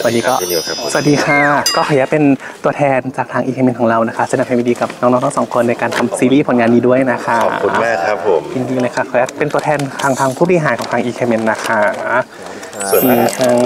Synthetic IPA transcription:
sa˨˩diː˧kɔː˥˩˦ssu˨˩˨diː˧xʰa˥˩kɔː˥˩xʰɔ˧˩˦jaː˧˥˩pe˧nt̪u˧ɐt̪ʰɛː˧nt͡ɕaː˨˩k̚t̪ʰaː˧ŋʔiː˧kʰeː˧mi˧nkʰɔː˨˩˦ɾa˧wna˦˥kʰa˥sa˧˦na˧˩pʰha˧˩mi˧diː˧ka˨˩p̚nɔː˧˦˥ŋnɔː˧˥ŋt̪ʰːsɔː˩˦ŋkʰo˧nːa˧jkaː˧nt̪ʰa˧msiː˧liː˥˩pʰo˩˦nŋaː˧nːiː˧du˥˩əjna˦˥kʰa˥˩u˧maː˥˩kʰa˦pʰmt͡ɕi˧ŋdi˧ŋləː˧jkʰa˥˩kʰɔː˧˩jaː˧˥˩pe˧nt̪u˧ɐt̪ʰɛː˧nt̪ʰaː˧ŋt̪ʰaː˧ŋpʰu˥˩ba˧i˧ɦaː˨˦nkɔ˨˩˦ŋtʰaː˧ŋʔiː˧kʰeː˧mi˧nːa˦˥˩kʰa˦˥˩ | i˧˩t̪ʰaː˧ŋ

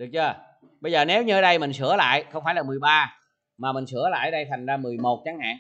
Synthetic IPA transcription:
ɗɨ˨˩ək̚t͡ɕəː˧ | ɓə˧jzəː˨˩ne˨˦wɲɨ˧əː˧˦ɗə˧jmï˨˩ŋ̟sɨ̰˧˩əla̰ː˧˨jxə˧wŋ͡mfaː˧˩jlaː˨˩mɨ˨˩əjɓaː˧ | maː˨˩mï˨˩ŋ̟sɨ˧˩əla̰ː˧˨jə˧jt̪ʰa˨˩jŋ̟zaː˧mɨ˨˩əjmo˨˩t̚t͡ɕaː˨˦ŋha̰ː˧˨ŋ

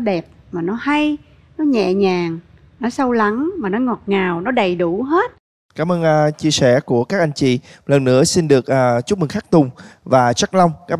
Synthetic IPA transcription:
ɗɛ˨˩p̚maː˨˩nɔ˨˦ha˧j | nɔ˨˦ɲɛ̰˧˨ɲaː˨˩ŋ | nɔ˨˦sə˧wla˨˦ŋmaː˨˩nɔ˨˦ŋɔ˨˩t̚ŋaː˨˩wnɔ˨˦ɗə˨˩jɗu˧˩ɦe˦˥t̚ | kaː˧˩˦mʔəː˧nʔt͡ɕi˧əsɛ˧˩ku˧˩əkaː˦˥k̚ʔa˧jŋ̟t͡ɕḭ˧˨lə˨˩nːɨ̰˧˥əsi˧nɗɨ˨˩ək̚ʔaː˨˩t͡ɕʊ˦˥mɨ˨˩ŋxaː˦˥k̚t̪ʊ˨˩ŋ͡mvaː˨˩t͡ɕa˦˥k̚la˧wŋ͡mkaː˦˥k

